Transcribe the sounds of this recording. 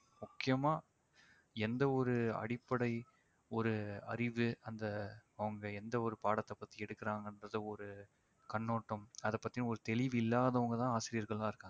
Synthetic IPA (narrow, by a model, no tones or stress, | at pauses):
mʊkːɪjɐmaː | ɛnd̪ɐɔɾɯɐ̰ɽɪpːɐɽɐɪ | ɔɾɯɐɾɪʋɯɐnd̪ɐɐʋɐŋɡɐɛnd̪ɐɔɾɯpaːɽɐt̪ːɐpːɐt̪ːiɛɽɯkːɐɾaːŋɡɐndrɐðɯɔɾɯ | kɐɳːoːʈːɐmɐðɐpːɐt̪ːijnɐ̃ɔɾɯt̪ɛlɪʋɪlːaːðɐɐʋɐŋɡɐt̪ãːaːsɪɾɪjɐɾɣɐɭãːɪɾɯkːaːŋ